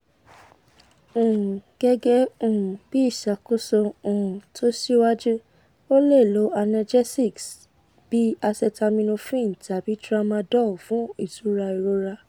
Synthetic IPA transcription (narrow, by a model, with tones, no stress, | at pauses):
õ˨ũ˨ɡ̥ɛ˦ɡɛ˦õ˨ũ˨b̥i˦i˦˨ʃa˨ko˦sɔ˧õ˨ũ˨tʰo˦si˦wa˦d͡ʒu˦ | o˦le˦˨lo˨˦a˧nã˧d͡ʒɛ˦si˦˨ks | b̥i˨˦a˧sɛ˧ta˧mĩ˧nũ˧fĩ˦˨ta˨bi˦tɾa˦mã˧dɔ˦˨fũ˦i˦˨tu˨˦ɾa˧i˨ɾo˧˦ɾa˧